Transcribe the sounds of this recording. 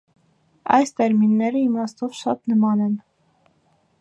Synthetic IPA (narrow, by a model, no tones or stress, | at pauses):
ɑ̰jst̪ɛɾminːɛɾəimɑst̪ɔvʃɑt̪nəmɑnɛn